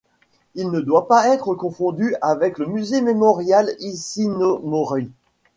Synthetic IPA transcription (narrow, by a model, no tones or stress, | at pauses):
ilnəd̪wapaɛt̪χəkɔ̃fɔ̃d̪yavɛkləmyzememɔʁjalisinomɔʁi